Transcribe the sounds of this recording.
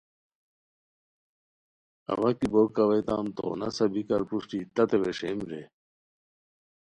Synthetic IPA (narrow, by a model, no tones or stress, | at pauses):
ɐ̰wɐkibokːɐwɐjt̪a̰ːmt̪o̰ːnɐ̰sɐbikɐɾpuʂʈit̪ɐt̪eweʂemɾe